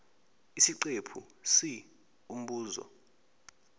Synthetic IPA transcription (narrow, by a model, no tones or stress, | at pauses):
isiǀepʰu | si | um̩ɓuːzɔ̰